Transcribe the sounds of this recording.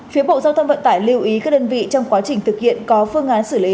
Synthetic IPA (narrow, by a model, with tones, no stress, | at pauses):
fi˨˦ɓo̰˧˨zaː˧wt̪ʰə˧ŋ͡mvə̰˧˨nt̪aː˧˩jli˧əwʔi˨˦ka˦˥k̚ɗəː˧nvḭ˧˨t͡ɕɔ˧wŋ͡mkwaː˨˦t͡ɕï˨˩ŋ̟t̪ʰɨ˨˩k̚hḭ˧˨ənkɔ˨˦fɨ˧əŋʔaː˨˦nsɨ˧˩li˨˦